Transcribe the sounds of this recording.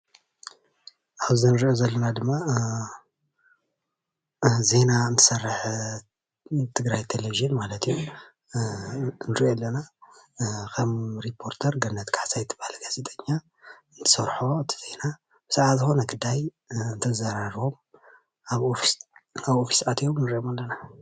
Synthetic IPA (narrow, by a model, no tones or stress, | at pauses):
ʔaβzɨnɨɾiʔozɐlːɐnad̪ɨmːa | ze̞naɨnt̪ʰɨ̥sɐrːɨħ | t̪ʰɨɡɾajt̪ʰeleviʒɨnmalɐt̪ʰiju | nɨɾiʔolːɐna | kʰɐmɾipʰːo̞ɾt̪ʰɐɾɡɐnːɐt̪kʰaħtʰajt̪ʰɨbahlɐɡazet̪ʼɐɲːa | ɨnt̪ʰɨ̥sɐɾħo̞ɨt̪ʰi̥ze̞na | b̥ɨsaʕazɨxo̞nɐɡɨd̪aj | ɨnt̪ʰɐzɐɾaɾo̞m | aβofaβofi̥sʕat̪ʰjomnɨɾiʔomalːɐna